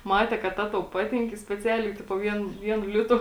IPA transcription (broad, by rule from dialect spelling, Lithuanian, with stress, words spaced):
ˈmɑːtʲɛ kɐt ˈtɐ tɐʊ ˈpɑːtʲɪŋk ɪ sʲpʲɛˈt͡sʲæːlʲɛɪ ˈtʲɪpoː ˈʋʲiɛn ˈʋʲiɛnʊ ˈlʲɪtʊ